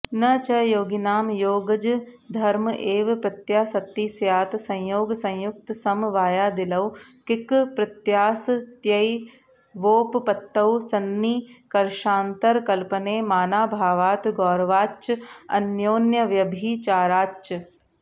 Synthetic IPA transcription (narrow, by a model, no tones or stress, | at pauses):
nɐt͡ʃɐjoːɡinaːmjoːɡɐd͡ʒ | d̪ʱɐɾmʔeːʋpɾɐt̪jaːsɐt̪ːiːsjaːt̪sɐ̃j̃joːɡsɐ̃j̃jʊk̚t̪sɐmʋaːjaːd̪ɪlɐwkɪkpɾɐt̪jaːst̪jɐi | ʋoːppɐt̪ːɐwsɐnːiːkɐɾʃaːnt̪ɐɾkɐlpɐneːmaːnaːbʱaːʋaːt̪ɡɔːɾʋaːt͡ʃɐ̰njoːnjɐʋjɐbʱiːt͡ʃaːɾaːt͡ʃɐ